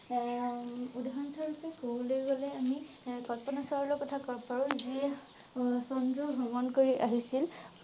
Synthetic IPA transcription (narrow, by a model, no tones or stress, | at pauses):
udaɦɔnsaɹɔtɛkowlojɡɔlɛami | kɔtpɔnasaɹɔlɔkɔtʰakɔɹpaɹɔziɛ | sɔndɹɔbʱɔŋɔnkoɹiʔaɦisil